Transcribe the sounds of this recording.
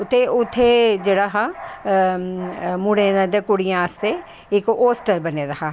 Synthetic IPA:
t̪eʊt̪ʰːeːd͡ʒeːɽaːɦãː | mʊɽẽːãd̪ẽːkʊɽɪjãːəst̪eː | ɪkoːsʈəɾbəneːd̪aːɦãː

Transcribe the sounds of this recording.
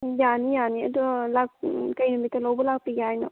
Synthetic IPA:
janijaniɐdulak̚kajnumitalawbɔlak̚piɡajnɔ̰

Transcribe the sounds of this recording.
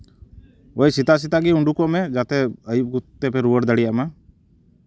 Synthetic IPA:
ojsit̪aʔs̬it̪aɡiuɳɖukɔʔmɛd͡ʒat̪ɛəjup̚ɡut̪ːɛpɛɾuwəɾd̪əɽijaʔma

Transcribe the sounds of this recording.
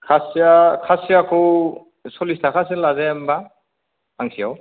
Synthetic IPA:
kʰasiakʰasiakʰu | sɔlistʰakʰas̬ilazemba | aŋsijaw

